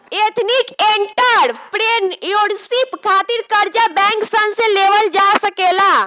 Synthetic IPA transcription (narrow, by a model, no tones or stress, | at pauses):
et̪ʰnikeɳʈəɾpɾenjoɽsipkʰat̪iɾkəɾt͡ʃabɛ̃ŋksənsẽleʋəld͡ʒasəkela